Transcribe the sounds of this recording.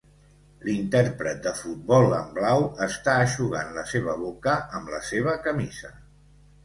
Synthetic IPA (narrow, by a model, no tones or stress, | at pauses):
lint̪ɛɾpɾət̪̚d̪əfut̪̚bɔlˠəmblawəst̪aəʃuɣanləseβ̞əβokəəmləseβ̞əkəmizə